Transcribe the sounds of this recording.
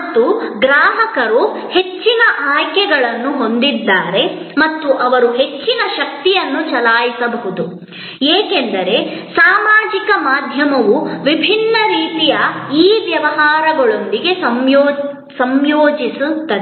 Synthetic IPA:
ɐt̪ːuɡɾaːɦɐkɐɾu | he̞t͡ʃːinɐʔaːjkɛɡɐɭɐnːuɦo̞nd̪id̪ːaːɾe̞ | mɐt̪ːuʔɐʋɐɾuɦe̞t͡ʃːinɐʃɐk̚t̪ijɐnːut͡ʃɐlaːjisɐbɐɦud̪u | eːkend̪ɐɾe̞saːmaːd͡ʒikɐmaːd̪ʱjɐmɐʋuʋibʱinːɐɾiːt̪ijɐiːʋjɐʋɐɦaːɾɐɡɐɭo̞nd̪iɡe̞sɐmjoː | sɐmjoːd͡ʒisut̪ːɐd̪e

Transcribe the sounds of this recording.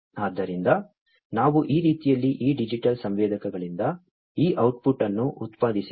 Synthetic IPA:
aːd̪ːɐɾind̪ɐ | naːʋuʔiːɾiːt̪ijɐlːiʔiːɖid͡ʒiʈɐlsɐmʋɛːd̪ɐkɐɡɐɭind̪ɐ | iːʔɐwʈ̚puʈːɐnːuʔut̪paːd̪ʱisi

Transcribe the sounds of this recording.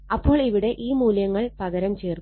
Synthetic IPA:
ɐpːo̞ːɭiʋiɽe̞ʔiːmuːljɐŋːɐɭpɐɣɐɾɐmt͡ɕeːr

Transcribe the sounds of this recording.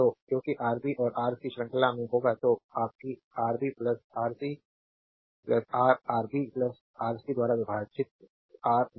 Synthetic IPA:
t̪okjõːkiʔaːɾbiʔɔːɾaːɾsiʃɾə̃ŋkəlamẽɦoːɡat̪oaːp̚ki | aːɾbiːplɐsaːɾsi | plɐsaːɾaːɾbiːplɐs | aːɾsid̪waːɾaʋɪbʱaːt͡ʃɪt̪̚ | aːɾ

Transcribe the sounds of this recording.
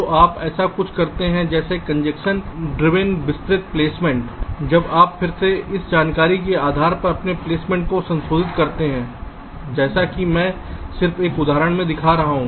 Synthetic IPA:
t̪oʔaːpɛːsakʊt͡ʃʰkɐɾt̪eɦɛ̃d͡ʒɛːsekɐ̃ɲd͡ʒɛkʃənɖɾɪʋẽnbɪst̪ɾɪt̪̚pleːsmɛ̃ɳʈd͡ʒɐbaːppʰɪɾseɪsd͡ʒaːnkaːɾik̬eaːd̪ʱaːɾpɐɾɐpnepleːsmɛ̃ːɳʈ̚kosɐ̃nsoːd̪ɪt̪kɐɾt̪eɦɛ̃ː | d͡ʒɛːsakimɛ̃ːsɪɾfeːkʊd̪ʱaːɾəɽ̃mẽd̪ɪkʰaɾɐɦaɦũː

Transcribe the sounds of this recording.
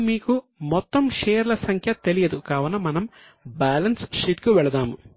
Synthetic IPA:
miːku | mɔt̪ːɐmʃeːjɐɾlɐsɐŋkʰjɐt̪e̞lijɐd̪ukaːʋɐnːɐmɐnɐm | baːlɐnsʂit̪kuʋɛɭɐd̪aːmu

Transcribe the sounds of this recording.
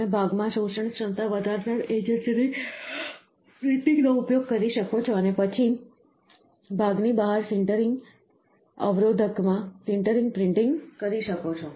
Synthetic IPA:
ebʱaɡmãʃoʃəɳkʃənt̪aʋəd̪ʱaɾnəɽed͡ʒensine | pɾɪɳʈĩŋɡnoupjoɡ̚kəɾiʃəkot͡ʃʰɔənepət͡ʃʰi | bʱaɡnibaɦaɾsɪɳʈəɾɪŋɡ | ə̰ʋɾod̪ʱəkmãsɪɳʈəɾiŋɡ̚pɾɪɳʈĩŋɡkəɾiʃəkot͡ʃʰɔ

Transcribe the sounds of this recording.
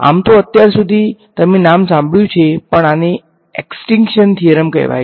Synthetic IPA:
a̰mt̪oət̪jaɾsud̪ʱit̪əmenamsãmbɭjũt͡ʃʰepəɳane | eksʈɪŋkʃənt̪ʰiəɾəmkɛ̰ʋa̰j

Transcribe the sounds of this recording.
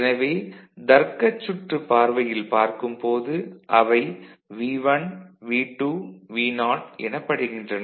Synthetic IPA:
nɐʋeːd̪ɐɾkːɐt͡ʃːʊʈrɯpːaːɾʋɐjɪlpaːɾkɯmpoːðɯʔɐʋɐɪʋiːʋɐnʋiːʈːuʋiːnaːʈɛ̰nɐpːɐɽɯɣɪndrɐnɐ

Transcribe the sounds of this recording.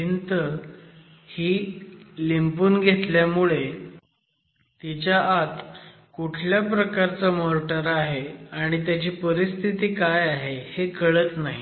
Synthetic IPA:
int̪ə | hiːlimpuːnɡʱet̪ljamuɭe | t̪it͡ɕjaʔːt̪ | kuʈʰljapɾəkaɾt͡səmoɾʈəɾaɦeaɽ̃it̪jat͡ɕiːpəɾist̪ʰit̪iːkajaɦehekəɭət̪naɦḭ

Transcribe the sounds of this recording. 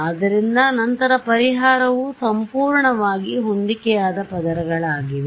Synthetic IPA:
d̪ɐɾind̪ɐnɐnt̪ɐɾɐpɐɾiɦaːɾɐʋusɐmpuːɾɳɐʋaːɡiɦond̪ikɛjaːd̪ɐpɐd̪ɐɾɐɡɐɭaːɡiʋe

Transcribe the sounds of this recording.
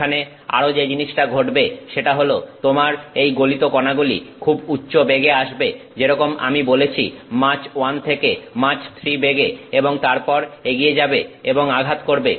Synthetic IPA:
ane | a̰ɾod͡ʑed͡ʑiniʃʈaɡʱoʈbeʃeʈaɦolot̪omaɾejɡolit̪okɔnaɡulḭkʰubutːɕobeɡeaʃbe | d͡ʑeɾɔkoma̰mibolet͡ɕʰḭmat͡ɕwant̪ʰekemat͡ɕt̪ʰɾibeɡeeboŋt̪aɾpɔɾeɡied͡ʑabeeboŋaɡʱat̪koɾbe

